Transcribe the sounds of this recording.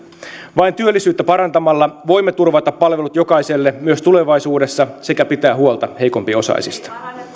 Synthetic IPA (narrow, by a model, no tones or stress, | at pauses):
ʋɑint̪yølːisyːt̪ːæpɑɾɑnt̪ɑmɑlːɑʋo̞jmːet̪urʋɑt̪ɑpːɑlʋe̞lut̪jo̞kɑjse̞lːemyøst̪ule̞ʋɑjsuːde̞sːɑse̞kæpit̪æːɦuolt̪ɑhe̞jko̞mpio̞sɑ̰isḭst̪ɑ̥